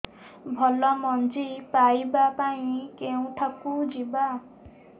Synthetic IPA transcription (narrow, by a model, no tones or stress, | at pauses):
bʱɔlɔmɔnd͡ʒipajbapaĩkeũʈʰakud͡ʒiba